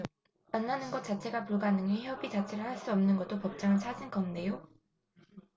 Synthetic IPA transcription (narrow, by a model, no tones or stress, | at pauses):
manːanɯnɡʌt̚t͡ɕ͈at͡ɕʰe̞ɡapuɭɡanɯŋiɦeʌbit͡ɕat͡ɕʰe̞ɾɯɭhaɭs͈uʌmnɯnɡʌt͈opʌp̚t͡ɕ͈aŋɯnt͡ɕʰad͡ʑinkʌmne̞jo